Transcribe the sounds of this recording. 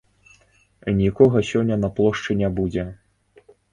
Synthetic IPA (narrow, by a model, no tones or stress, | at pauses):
nʲikɔɣɐsʲɔnʲːɐnɐplˠɔʂt͡ʂɨnʲabud͡zʲɛ